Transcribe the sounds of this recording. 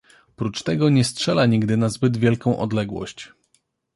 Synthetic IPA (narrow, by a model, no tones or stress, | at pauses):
pɾut͡ʂt̪ɛɡɔɲɛstʂɛlaɲiɡd̪ɘnazbɘd̪vʲjɛlkɔ̃w̃ʔɔ̰d̪lɛɡwɔ̰ɕt͡ɕ